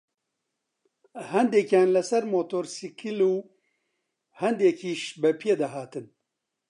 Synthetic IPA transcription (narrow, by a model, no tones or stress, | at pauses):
hɛnd̪eːkaːnlɐsɐɾmoːt̪oːɾsikʰiluː | hɛnd̪eːkʰiːʃbɛpʰijed̪aɦaːt̪ɨn